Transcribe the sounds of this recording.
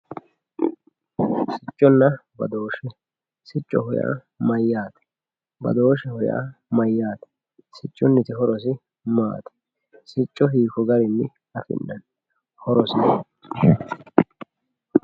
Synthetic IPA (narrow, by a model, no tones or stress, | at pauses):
sɪt͡ʃʼːɔnːɐbɐ̰d̪o̞ːʃɛ | sɪt͡ʃʼːɔ̰hʊja̰ | mɐjːaːt̪ɛ̥ | bɐ̰d̪o̞ːʃɛhʊja̰mɐjːaːt̪ɛ̥ | sɪt͡ʃʼːʊnːɪt̪ɪɦɔɾɔs̬ɪ | ma̰ːt̪ɛ̥ | sɪt͡ʃʼːɔfiːkɔɡɐɾɪnːɪ | ɐfɪ̰nːɐn | hɔɾɔsɪ